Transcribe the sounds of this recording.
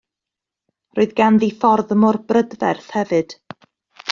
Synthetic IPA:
roːɨðɡanðifɔrðəmɔrbrədvɛrθhɛvɨd̥

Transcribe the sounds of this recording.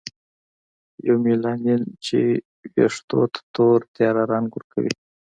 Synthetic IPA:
jawmilɑnint͡ʃḛ | weʂt̪o̰t̪t̪oɾt̪jɑɾaɾɑnɡuɾkʰa̰wḭ

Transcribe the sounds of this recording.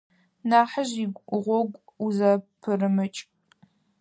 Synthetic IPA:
naːħəʒiɡʷʼʊʁʷɔɡʷʼuzɐpʰɨrɨmɨt͡ʃʼ

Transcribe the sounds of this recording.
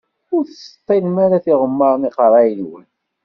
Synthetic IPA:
ʊɾθsə̥t̪ˤːinmaɾaθiʁəmːəɾˤniqəɾˤɑjənwə̰n

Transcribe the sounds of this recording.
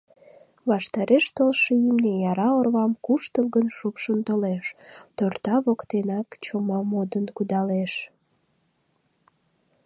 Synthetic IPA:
βɑʃt̪ɑɾeʃt̪olʃəimnejɑɾɑorβɑmkuʃt̪əlɣənʃupʃənt̪oleʃt̪ort̪ɑβokt̪enɑkt͡ɕomɑmod̪ənkud̪ɑleʃ

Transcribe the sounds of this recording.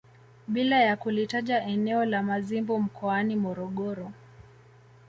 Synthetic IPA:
ɓilajakulitaʄaʔɛnɛɔlamazimbum̩kʰɔanimɔɾɔɠɔɾɔ

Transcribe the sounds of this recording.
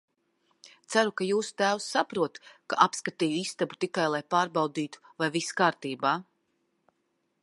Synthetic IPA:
t̪sæɾukajuːsu̥t̪æːwsːapɾuɔt̪ka̰ʔapskat̪iːjuist̪abut̪ikajlˠajpaːɾbɑwd̪iːt̪u̥vajviskaːɾt̪iːbaː

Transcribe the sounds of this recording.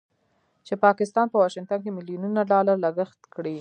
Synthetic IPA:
t͡ʃepɑkɪst̪ɑnpəwɑʃɪŋt̪ank̬emɪlijununaɖɑlaɾləɡəxt̪kɽi

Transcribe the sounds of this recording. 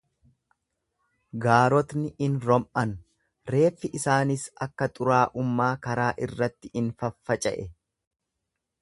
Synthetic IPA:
ɡaːɾɔt̪nɪʔɪnɾɔmʔɐn | ɾe̞ːfːɪʔɪsaːnɪsɐkːɐt̪ʼʊɾaːʔʊmːaːkɐɾaːʔɪrːɐt̪ːɪɪnfɐfːɐt͡ʃʼɐ̰ʔɛ

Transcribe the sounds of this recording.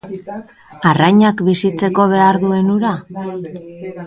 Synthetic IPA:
arajɲakbisit͡se̞ko̞β̞e̞aɾðue̞nuɾa

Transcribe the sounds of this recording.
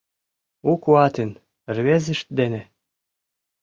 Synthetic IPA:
ukuɑt̪en | rβezɘ̆ʃt̪̚d̪enĕ

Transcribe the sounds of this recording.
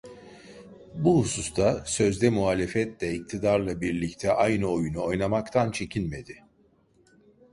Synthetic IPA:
buhusust̪ʰasø̞zd̪ɛmuɦaːlʲefɛt̪lʲɛic̚t̪ʰid̪aɾlˠabiɾlʲict̪ʰɛʔajnɯo̞junuo̞jnamakt̪ʰant͡ʃʰe̞cʰinme̞d̪ɪ

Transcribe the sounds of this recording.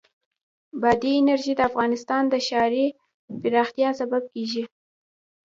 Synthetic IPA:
bɑd̪iɪnaɾʒid̪əafɣɑnɪst̪ɑnd̪əʃɑɾi | pɪɾɑxt̪jɑsabab̚keʒi

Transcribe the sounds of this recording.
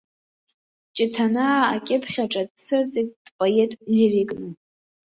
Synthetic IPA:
t͡ʃʼɪtʰanaːkʲʼɪpʰχʲaʈ͡ʂʼadt͡sʰɨrt͡sʼekʲʼd̥pʼoetʼririkʼnɨ

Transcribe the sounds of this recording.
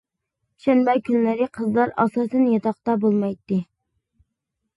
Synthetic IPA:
ʃɛnbɛkʲʰynlæɾɪqʰəzlˠɑɾɑ̰sɑːsɛnjɑt̪ʰɑqt̪ɑbolˠmɑjt̪ːɪ

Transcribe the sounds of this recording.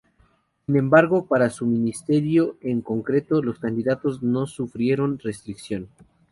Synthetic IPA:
sinẽ̞mbaɾɣo̞paɾasumĩnist̪e̞ɾjo̞e̞ŋko̞ŋkɾe̞t̪o̞lo̞skand̪iðat̪o̞zno̞sufɾje̞ɾo̞nre̞st̪ɾiksjo̞n

